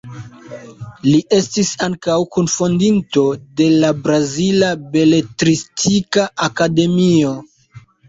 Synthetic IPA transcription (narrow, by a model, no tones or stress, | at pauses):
liʔe̞stisaŋkawkunfondinto̞de̞labɾazilabe̞le̞tɾistʰikaakade̞mio̞